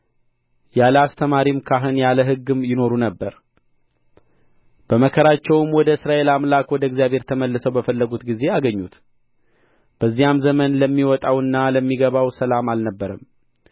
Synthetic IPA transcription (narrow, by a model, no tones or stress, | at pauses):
jaləast̪ʰəmaɾimkʰaɦɨnjaləɦɨɡːɨmjɪno̞ɾunəbːəɾ | b̥əməkʰəɾat͡ʃːɛwmwɔd̪əɨsɾaʔe̞lamlakwɔd̪əɪɡzijaβʱhe̞ɾt̪ʰəməlːəsəwbəfəlːəɡut̪ɡize̞aɡəɲːut̪ | b̥əzːijamzəmənləmːiwɔt̪ʼawɨnːaləmːiɡəβawsəlamalnəbːəɾəm